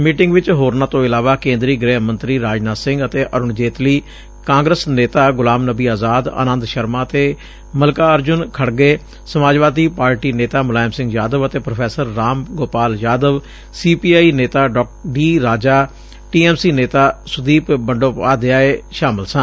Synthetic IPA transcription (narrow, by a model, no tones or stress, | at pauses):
miːʈɪ̃ŋɡʋɪt͡ʃɦoːɾnaːt̪õːɪlaːʋaːkẽːnd̪ɾiːɡɾɛːɦmə̃nt̪ɾiːɾaːd͡ʒnaːsɪ̃ŋɡət̪eːʔəɾʊɳd͡ʒeːt̪liː | kãːŋɡɾəsneːt̪aːɡʊlaːmnəbiːaːzaːd̪ə̰nə̃nd̪ʃəɾmaːət̪eː | məlkaːəɾd͡ʒʊnkʰəɽɡeː | səmaːd͡ʒʋaːd̪iːpaːɾʈiːneːt̪aːmʊlaːɪmsɪ̃ŋɡjaːd̪əʋət̪eːpɾopʰɛːsəɾːaːmɡoːpaːljaːd̪əʋ | siːpiːaːiːneːt̪aːɖɔːɖiːɾaːd͡ʒaː | ʈiːɛːmsiːneːt̪aːsʊd̪iːpbəɳɖoːpaːd̪ɪaːeːʃaːmɪlsãː